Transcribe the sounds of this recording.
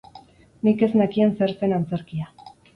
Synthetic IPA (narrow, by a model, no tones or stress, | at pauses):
nike̞znakienseɾt͡se̞nant͡se̞ɾkia